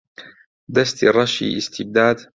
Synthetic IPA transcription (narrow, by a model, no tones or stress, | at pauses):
d̪ast̪irˤːɑʃḭːʔɪst̪ɪb̚d̪aːd̪